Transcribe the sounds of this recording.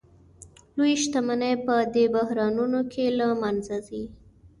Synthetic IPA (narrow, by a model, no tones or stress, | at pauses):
lojiʃt̪amanajpəd̪ebahɾɑnunokʰelamanzazi